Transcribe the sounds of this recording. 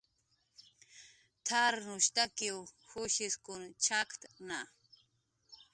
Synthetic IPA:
t̪ʰaɾnʊʃt̪akiwhʊʃɪskʊnt͡ʃʰakt̪na

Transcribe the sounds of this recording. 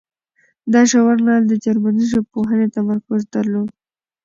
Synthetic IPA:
d̪ɑʃawaɾnɑld̪əd͡ʒaɾmaniʒopoɦənet̪amaɾkʊzd̪aɾlod̪

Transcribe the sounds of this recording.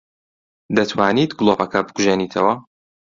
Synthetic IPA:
d̪ɐt̪ʰwaːnit̪ɡlˠopɐkʰɐbɨɡʰuʒenit̪ʰɐwɐ

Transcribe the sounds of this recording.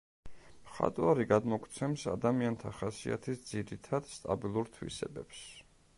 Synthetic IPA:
mχa̰t̪ʼwaɾiɡad̪mɔkʰt̪sʰɛmsa̰d̪amiant̪ʰaχasia̰t̪ʰisd̪ziɾit̪ʰad̪̥st̪ʼabilˠuɾt̪ʰwḭsɛ̰bɛps

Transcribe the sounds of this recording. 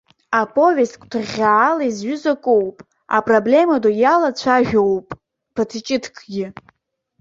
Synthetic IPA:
apʰʼo̞vʲeskʷʼtʰɨʁʲaːlaizɥʏzakʼowpʼ | a̰pʼroble̞madojalat͡ɕʷʰaʒᶣo̞wpʼ | pʰatʰt͡ʃʼɪtʰkʰɡʲɪ

